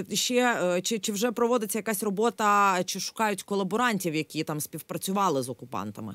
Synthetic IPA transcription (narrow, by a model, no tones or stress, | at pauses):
ʃt͡ʃɛt͡ʃɪt͡ʃɪwʒɛpɾɔʋɔd̪ɪt͡sʲːɐjɐkɑsʲrɔbɔt̪ɐt͡ʃɪʃʊ̥kɑjʊtʲkɔlˠɐbɔɾɑnʲtʲiwjɐkʲit̪ɑmsʲpʲiwpɾɐt͡sʲʊʋɑlˠɪzɔkʊpɑ̰nt̪ɐmɪ̰